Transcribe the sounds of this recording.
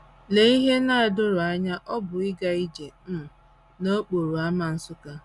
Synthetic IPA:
le˨i˦ɦe˦na˦a˨dʊ˦ɾʊ˨a˦ɲa˦ʔɔ˦bʊ˨ɪ˦ɡa˨i˦d͡ʒe˨m̩˦˨ | no˦k͡po˨ɾu˨a˦ma˨n̩˦sʊ˦ka˦

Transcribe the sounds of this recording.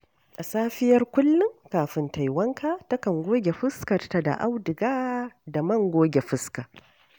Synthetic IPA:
ʔa˨saː˦ɸɪ˦jɐ˦rkʷʊ˦lːʊ˦ŋkaː˨ɸɪ˨nta˨jwɐ˦ŋkaː˦tɐ˦kɐ˨ŋɡʷoː˦ɡʲe˨ɸɪ˦skɐ˨rta˨da̰˨ʔa˦wdɪ˨ɡaː˦da˨mɐ˦˨ŋɡʷoː˦ɡʲe˨ɸɪ˦ska˨

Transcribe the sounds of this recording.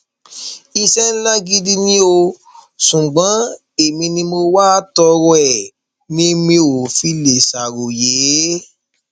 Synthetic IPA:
i˧sɛ˦n̩˦la˦ɡi˦di˦nĩ˦o˧ | sũ˨ɡ͡bã˨˦ | e˨mĩ˧nĩ˧mo˧waː˦tɔ˧ɾɔ˦ɛ˦˨ | nĩ˦mĩ˧˦o˨fi˦le˨sa˨ɾo˨je˨˦

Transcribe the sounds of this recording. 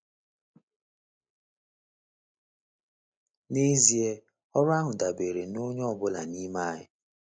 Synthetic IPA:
ne˦zi˨e˦ | ɔ˦ɾʊ˦a˦ɦʊ˨da˨be˨ɾe˨no˦ɲ˦ɔ˦bʊ˦la̰˨ni˦ma˦˨ɦɪ̰˨

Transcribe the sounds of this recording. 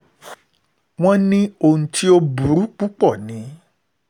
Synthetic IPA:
w̃ɔ̃˦nĩ˦o˧nũ˧ti˦o˦bu˨ɾu˨˦k͡pu˦k͡pɔ˦˨nĩ˨˦

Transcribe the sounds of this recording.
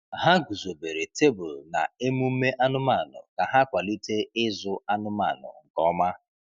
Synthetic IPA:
ɦa˦ɡu˨zo˨be˨ɾe˨te˦bʊ˨lna̰˨e˦mu˦me˦ʔa˦nʊ˦ma˦˨nʊ̰˨ka˨ɦa˦kʷa˨li˦te˦ɪ˦zʊ˦a˦nʊ˦ma̰˨nʊ̰˨ŋ̩˨kɔ˦ma˦

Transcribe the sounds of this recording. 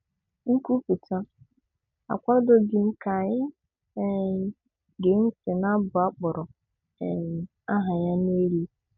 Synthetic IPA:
ŋ̩˦ku˦pu˨ta˦ | a̰˨kʷa˦do˦ɡɪ˨m̩˦ka˨ɲɪ˦ | ɡe˨ŋ̩˦se˨na˦bʊ˨a˦k͡pʊ˨ɾɔ˨ | a˦ɦa˨ja˦ne˦ɾi˦

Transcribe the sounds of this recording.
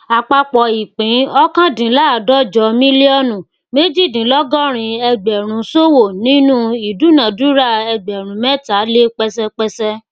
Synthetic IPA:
a˨k͡pa˧k͡pɔ˧i˨k͡pĩ˨˦ɔ˦kã˦dĩ˨˦la˦˨dɔ˦d͡ʒɔ˧˦mĩ˦li˦ɔ˦nũ˨ | me˦d͡ʒi˦˨dĩ˨˦lɔ˦ɡɔ˦ɾ̃ĩ˧ɛ˧ɡ͡bɛ˨ɾ̃ũ˨˦so˦wo˦˨nĩ˦nũ˦i˨du˨˦nã˨du˦ɾa˦˨ɛ˧ɡ͡bɛ˨ɾ̃ũ˨˦mɛ˦ta˨˦le˦k͡pɛ˧sɛ˧k͡pɛ˧sɛ˧

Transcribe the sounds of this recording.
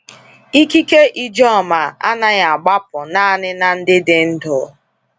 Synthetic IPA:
i˦ki˦ke˦ʔi˦d͡ʒɔ˦˨ma˨a̰˦na˦ɣa˨ɡ͡ba˦pʊ˨na˦a˨nɪ˦na˨n̩˦dɪ˦dɪ˨n̩˦dɔ˨˦

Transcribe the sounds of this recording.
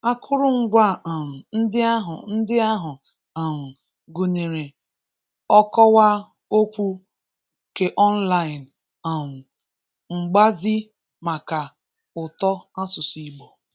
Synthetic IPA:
a˦kʰʊ˦ɾʊ˦ŋ̩˦ɡʷa˦˨m̩˨n̩˦dɪ˦a˦ɦʊ̰˨n̩˦dɪ˦a˦ɦʊ˨ | a˨m̩˨ | ɡu˨ne˨ɾe˨ | ɔ˦kɔ˦wa˦ | o˦kʷu˦ | ke˨ʔɔ˦n̩˦la˦ɪ˨n | a˨m̩˨ | ŋ͡m̩˨ɡ͡ba˦zi˦ | ma˨ka˨ | ʊ˨tɔ˦a˦sʊ˨si˦ɡ͡bo˨

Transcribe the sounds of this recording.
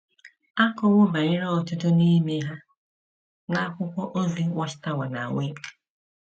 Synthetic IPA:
a˦kɔ˦wʊ˦ba˨ɾɪ˦ɾɔ˦ɔ˨tʊ˦tʊ˦ni˦me˦ɦa˦ | na˦kʷʊ˦kʷɔ˦ʔo˦zi˦wʷɔ˦t͡ʃɪ̥˨ta˦wa˨na̰˨wʷe˦k

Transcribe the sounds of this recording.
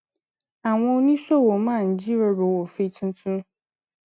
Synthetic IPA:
a˨w̃ɔ̃˧o˦nĩ˦sɔ˦˨wo˨mã˦˨n̩˨d͡ʑi˦ɾe˨˦ɾo˨wo˨fe˦i˦tʰʊ̃˦tʰũ˦

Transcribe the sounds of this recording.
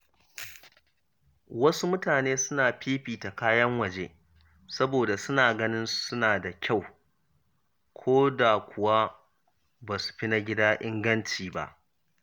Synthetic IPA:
wɐ˦su˦mʊ˦taː˨neː˦sʊ˦naː˨ɸiː˦ɸiː˨ta˨kaː˦jɐ˦ŋwɐ˨d͡ʒeː˦ | sɐ˦boː˨da˨sʊ˦naː˨ɡɐ˦nɪ˦nsʊ˦naː˨da˨kʲa˦˨w | kʷʰoː˦da˨kʷʰʊ˨wa˦ | baː˨su̥˨ɸi˦na˦ɡʲɪ˦daː˦ʔɪ˦ŋɡɐ˦nt͡ʃiː˨ba̰˦ʔ

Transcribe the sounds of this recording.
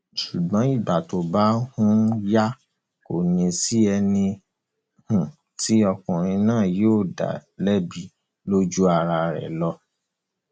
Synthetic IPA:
ʃu˨ɡ͡bɔ̃˨˦i˦˨ba˨to˨˦˨ba˦hũ˦ja˦ | ko˨nĩ˧si˦ɛ˧nĩ˧ | hũ˨ | ti˨˦ɔ˧kɔ̃˨ɾ̃ĩ˧nãː˦˨joː˦˨da̰˨lɛ˦bi˦˨ | lo˦d͡ʒu˦a˧ɾa˧ɾɛ̰˨lɔ˦

